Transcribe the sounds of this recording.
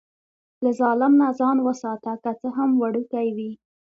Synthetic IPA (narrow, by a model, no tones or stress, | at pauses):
lazɑlɪmnazɑnwəsɑt̪akat͡səɦamwaɽukajwi